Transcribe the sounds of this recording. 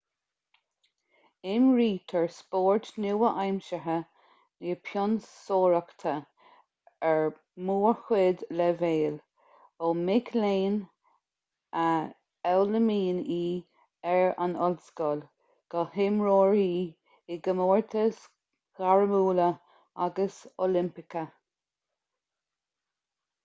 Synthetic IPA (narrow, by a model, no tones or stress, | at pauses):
ɪmɹiːt̪ʰɛɹspoːɹt̪nuwəʔajmʃəɦə | niəpʰjɔnsoːɹəkt̪ʰə | ɛɹ | muːɹxwɪd̪lɛveːl | omɪɡleːn | ə | ɛwləmiːniː | ɛɹa̰nɔlskɔl | ɡ̥ɔhɪmɹoːɹiː | ɪɡəmoːɹt̪ʰəs | ɡ̥aɹəmuːlə | aɡəso̰lɪmpɪkə